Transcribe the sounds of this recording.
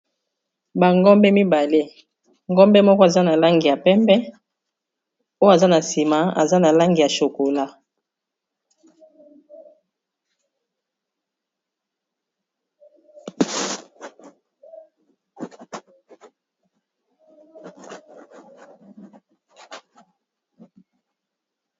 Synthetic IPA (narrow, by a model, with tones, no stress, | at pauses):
ba˨ŋɡɔ˦mbɛ˦mi˦ba˨le˦ | ŋɡɔ˦mbɛ˦mɔ˦kɔ˦a˨za˦na˨la˦ŋɡi˨ja˨pɛ˦mbɛ˦ | o˦jo˦a˨za˦na˨si˨ma˨a̰˨za˦na˨la˦ŋɡi˨ja˨ʃo˨ko˨la˦